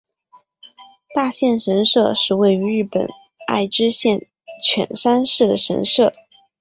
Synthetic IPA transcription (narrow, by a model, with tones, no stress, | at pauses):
t̪a˥˧ɕjɛ˥˩nʂə˧˥nʂɤ˥˧ʂɻ̩˥˧we˥˩ɪy˧˥ɻɻ̩˥˩pə̰˨˩n | a̰˥˩ɪʈ͡ʂɻ̩˥ɕjɛ˥˩n | t͡ɕʰɥɛ̰˨˩nʂa˥nʂɻ̩˥˩d̪ə˩ʂə̰˧˥nʂɤ˥˩